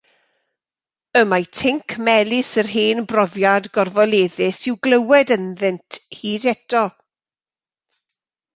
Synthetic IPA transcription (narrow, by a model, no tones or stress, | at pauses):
əmajtʰɪŋkʰmɛlˠɪsərɦeːnbrɔðjadɡɔrvɔlˠeːðɪsɪwɡləwɛdənðɪntʰhiːdɛtɔ